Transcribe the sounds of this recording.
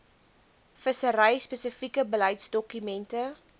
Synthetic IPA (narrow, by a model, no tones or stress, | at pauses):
fəsəɾəjspəsəfikəbəlɐjtsdɔkymɛntə